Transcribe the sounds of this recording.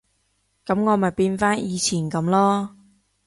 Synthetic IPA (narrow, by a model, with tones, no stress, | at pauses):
kɐ˨˦˥mŋɔː˨˧mɐ˨˩jpiː˧nfaː˥njiː˨˧t͡sʰiː˨˩nkɐ˨˧˥mlɔː˥